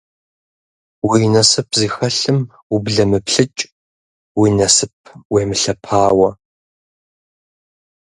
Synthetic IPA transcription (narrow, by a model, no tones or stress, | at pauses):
wijnɐsɨpʰziːxɐɬɨm | ubɮɐmɨpɬɨt͡ʃʼ | wiːnɐsɨp̚ʰweːmɨɬɐpʰaːwɐ